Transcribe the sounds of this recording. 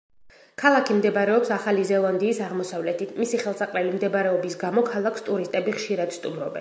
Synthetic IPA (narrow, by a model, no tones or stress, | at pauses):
kʰalˠakʰimd̪ɛbaɾɛɔpsaχalizɛlˠand̪iːsaʁmɔsavlɛt̪ʰit̪ʰmisiχɛlˠsaqʼlɛlimd̪ɛbaɾɛɔbisɡamɔkʰalˠakʰst̪ʼuɾist̪ʼɛbiχʃiɾad̪̥st̪ʼumɾɔbɛ̰n